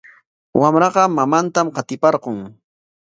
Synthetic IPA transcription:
wamɾɑqɑmamant̪amqɑt̪ɪpɑɾqʊŋ

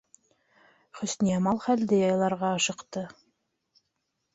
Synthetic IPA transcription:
χɵ̆snijɑmɑlˠχæld̪ɘjɑjlˠɑɾʁɑːʃɤ̆qt̪ɤ

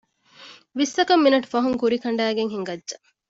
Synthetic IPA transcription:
ʋisːɐkɐmːinɐʈu̥fɐɦuŋkuɾikɐɳ̆ɖæːɡeŋɦiŋɡɐdːʒɐ

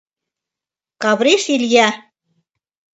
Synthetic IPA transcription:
kɑβɾiʃilʲjæ

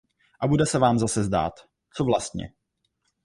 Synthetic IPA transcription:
ʔabudɛsɛvaːmzasɛzda̰ːt̪ | t͡sovlast̪ɲɛ̰

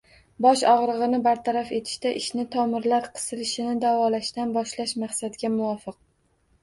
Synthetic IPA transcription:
bɒʃɒʁɾɨʁɨnɪbaɾt̪ʰaɾafe̞t̪ʰɪ̥ʃt̪aʔɪʃnɪt̪ʰɒmɪɾlaɾqʰɨ̥sɪlɪʃɪnɪd̪avɒlaʃt̪anbɒʃlaʃmaχsad̪ɡʲamʊɒfɨq̚

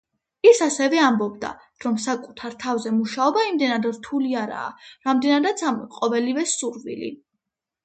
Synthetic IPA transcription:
isasɛvɛambɔbd̪a̰ | ɾɔmsakʼut̪ʰaɾt̪ʰavzɛmuʃaɔbaimd̪ɛnad̪ɾt̪ʰuliaɾa̰ːɾamd̪ɛnad̪at̪sʰamqʼɔvɛlivɛsuɾvḭlḭ

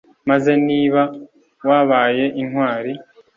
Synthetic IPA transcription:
maze̞niːβa | waːβaːje̞ʔinhwaːɾi

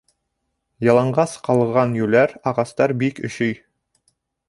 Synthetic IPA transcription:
jɑlˠɑɴɢɑsqɑlˠʁɑnjʉlæɾɑʁɑst̪ɑɾbikɵ̰̆ɕɵj

